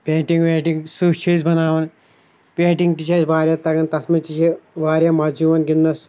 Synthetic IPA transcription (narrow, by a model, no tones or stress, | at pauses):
pʲeːʈiŋɡʋeːʈiŋsut͡ʃʰiːzbɐnaːʋɐn | pʲeːʈiŋɡʈit͡ʃʰɐsʋaːɾʲjɐːt̪ɐɡɐnt̪ɐsmɐnt͡ʃit͡ʃʰeʋaːɾjɐːmɐːd͡ʒuːʋɐnɡinːɐs